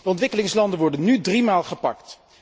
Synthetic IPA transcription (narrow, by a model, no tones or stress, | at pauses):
dəɔntʋɪkəlɪŋslɑndənʋɔɹdənːydrimaːlˠχəpɑ̰kt